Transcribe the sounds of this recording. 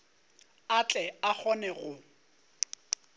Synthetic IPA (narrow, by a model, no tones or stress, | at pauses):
at͡ɬʼɛak͡xʰɔnɛɣʊ